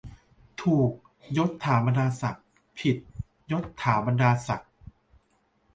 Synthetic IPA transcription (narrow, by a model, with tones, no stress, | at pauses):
t̪ʰuː˨˩k̚ | jo˦˥t̪ʰːaː˩˦ba˧ndaː˧sa˨˩k̚ | pʰi˨˩t̪̚ | jo˦˥t̪ʰːaː˩˦ba˧ndaː˧sa˨˩k̚